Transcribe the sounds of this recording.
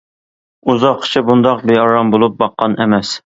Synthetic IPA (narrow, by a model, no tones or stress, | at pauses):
uzɑqʰːʃʰɪbund̪ɑqbeɑɾɑmbolˠup̚bɑqːɑnʔemɛs